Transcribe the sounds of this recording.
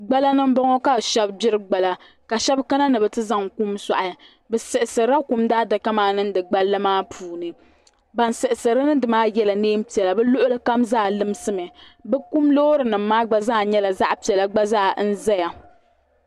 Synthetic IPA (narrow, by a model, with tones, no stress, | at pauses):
ɡ͡ba˦la˦nɨ˦m˦bɔ˦ŋɔ˦ka˦˨ʃɛ˦bbɪ˦ɾɨ˦ɡ͡ba˨la˨ | ka˨ʃɛ˦bka˦na˦nɨ˨bɛ˨tɨ˦za˦ŋku˦msa̰˨ʔa˨ | bɛ˨sɨ˨ʔɪ˨sɨ˨ɾa˦ku˦mdaː˦da˨ka˦maː˦˨nɨ˦n˦dɨ˨ɡ͡ba˦lːa˦maː˦pʰuː˨nɨ˨ | ba˨nsɨ˨ʔɪ˨sɨ˨ɾɨ˦nɨ˦dɨ˨maː˦jɛ˦la˨neː˦m̩˦pi˨ɛ˨la˨bɛ˦lʊ˦ʔʊ˦lɨ˦ka˦mzaː˦˨lɨ˦m˦sɨ˦mɨ˨bɛ˦ku˦mloː˦ɾɨ˨nɨ˨m̩ː˦aː˦ɡ͡ba˦zaː˦˨ɲɛ˦la˨za˦ʔpi˨ɛ˨la˦ɡ͡ba˦zaː˦˨n̩˦zɛ˦ja˨